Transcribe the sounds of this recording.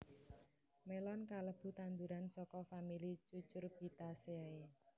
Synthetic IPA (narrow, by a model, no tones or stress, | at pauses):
melɔnkaləb̥ṳt̪and̪uɾansɔkɔfamilit͡ʃut͡ʃʊrb̥i̤t̪aseae